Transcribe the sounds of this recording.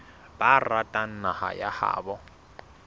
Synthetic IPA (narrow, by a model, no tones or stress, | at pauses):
b̥aratʼan̩naha̰jaha̰ːbɔ